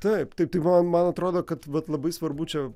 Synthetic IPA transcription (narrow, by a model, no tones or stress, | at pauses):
t̪ɐɪpt̪ɐɪp̚t̪ɐɪmɐmɐnɐt̪ɾoːd̪oːkɐt̪ʋɐt̪lˠɐbɐɪsʋɐɾbut͡ʃʲɛ